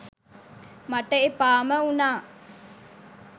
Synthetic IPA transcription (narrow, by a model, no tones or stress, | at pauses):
maʈəepaːməunaː